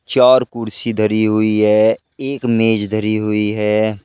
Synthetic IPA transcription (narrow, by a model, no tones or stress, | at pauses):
t͡ʃaːɾkʊɾsid̪ʱəɾiɦʊiɦɛː | eːkmeːd͡ʒd̪ʱəɾiɦʊiɦɛː